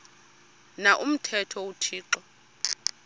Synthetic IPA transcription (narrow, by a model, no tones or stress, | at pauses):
naʔum̩tʰɛtʰɔutʰiːǁɔ